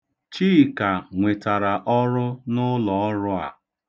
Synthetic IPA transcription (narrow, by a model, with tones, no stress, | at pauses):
t͡ʃiː˦˨ka˨ŋʷe˨ta˨ɾa˨ʔɔ˦ɾʊ˦nʊ˦lɔ˨ɔ˦ɾʊ˦a̰˨